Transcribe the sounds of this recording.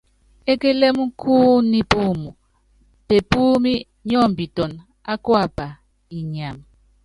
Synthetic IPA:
e˦ke˦lɛ˦mu˦kʰu˦ni˦pu˦˨mu˨ | pe˨pu˦mi˦ | ɲɔ˦˨mbi˨tɔ˨n | a˦kwa˦˨pa˨ | i˨ɲa˨m˨

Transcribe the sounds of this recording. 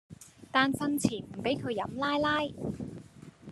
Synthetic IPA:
t̪aː˨nfɐ˧nt͡sʰiː˨˩nm̩˨˩pe˨˥jkʰɵ˨˧ɥjɐ̰˨˥mlaː˥jlaː˥j

